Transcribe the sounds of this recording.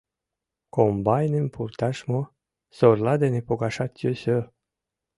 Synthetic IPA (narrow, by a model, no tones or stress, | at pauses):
kombajnenpʰurt̪aʃmo | sorlad̪enepoɡaʃat̪ʰʲjøsʲø